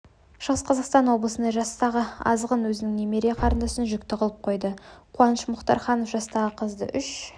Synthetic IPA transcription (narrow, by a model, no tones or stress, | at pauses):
ʃəʁəsqʰɑzɑqst̪ɑnwo̞blˠəsənd̪ɑʒɑst̪ɑʁəɑ̰zʁənwɵzɪnɪŋnemeɾijɑqʰɑɾənd̪ɑsənʒʏkt̪ɪqʰəlˠəp̚qʰo̞jd̪əqʰʊɑnəʃmʊχt̪ɑ̰ɾχɑnofʒɑst̪ɑʁəqʰəzd̪ə̰ʔʏʃ